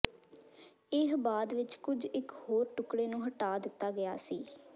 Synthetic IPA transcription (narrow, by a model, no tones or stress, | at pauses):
ɪɦbaːd̪ʋɪt͡ʃkʊd͡ʒɪkhoːɾʈʊkɽeːnũːɦəʈaːd̪ɪt̪ːaːɡəjaːsiː